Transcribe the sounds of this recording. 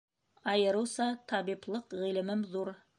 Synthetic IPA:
ɑjɤ̆ɾɤ̆wsɑt̪ɑβiplˠɤqʁilɘ̆mɘmðuɾ

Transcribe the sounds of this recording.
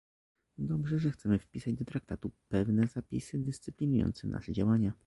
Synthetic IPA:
d̪ɔbʐɛʐɛxt̪sɛmɘfpʲisad͡ʑd̪ɔt̪ɾak̚t̪at̪upɛvnɛzapʲḭsɘd̪ɘst̪sɘpʲlʲinujɔ̰nt̪sɛnʔa̰ʂɛd͡ʑawaɲa

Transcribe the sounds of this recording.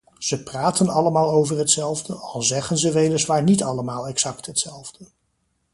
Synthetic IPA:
z̥əpraːtənɑləmaːlˠowvərɦətsɛlˠvdəɑlˠzɛχənzəʋejləsʋaːɹnitɑləmaːlˠɛksɑktɦətsɛlˠvdə

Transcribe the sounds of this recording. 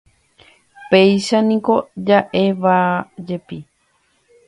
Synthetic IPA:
pejʃanĩko̞d͡ʒaʔe̞ʋad͡ʒe̞pi

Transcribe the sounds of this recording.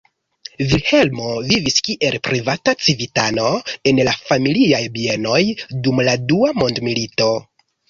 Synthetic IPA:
vilhe̞lmo̞viviskiʔe̞lpɾivatat͡sivitano̞e̞nlafamiliajbie̞no̞jdumladuamo̞ndmilito̞

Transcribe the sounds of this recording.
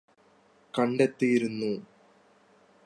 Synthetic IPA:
kɐɳɖet̪ːijiɾunːu

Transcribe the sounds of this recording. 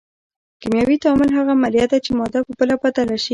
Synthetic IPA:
kimjɑwit̪amɪlɦaɣaːmalijɑt̪̚d̪at͡ʃemɔd̪apəpəlapat̪alaʃi

